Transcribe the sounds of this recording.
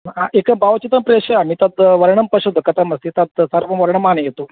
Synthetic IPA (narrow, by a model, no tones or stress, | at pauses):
aʔekəbaʋt͡ɕit̪əmpɾeɕɐjamiːt̪at̪ʋɐɾɳəmpəɕud̪okɐt̪ʰamɐst̪it̪at̪̚səɾʋɐmʋɐɾɳəmːanejet̪o